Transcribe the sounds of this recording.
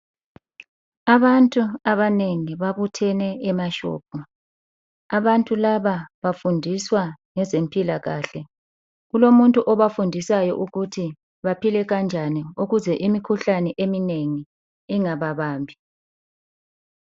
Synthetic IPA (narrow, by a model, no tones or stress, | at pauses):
aβantʼuaβaneŋiβaβutʰɛnɛɛmaʃɔ̰ːb̥̚ʱɔ | aβantʼulaβaβafundʱiswaŋɛzempʼilaɣa̰ːɬɛ | ɣulomuntʼuʔɔβafundʱisajɔ̰ʔuɣutʰi | βapʰilɛɣand͡ʒʱaniuɣuzɛʔimikʰuɬanɛʔemineŋiː | ŋaβaβaːmbʱi